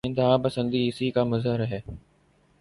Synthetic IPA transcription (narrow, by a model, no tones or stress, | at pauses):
ɪ̃nd̪əɦãːpɐsə̃nd̪iːɦɪsiːkaːmʊzɦəɾɐɦeː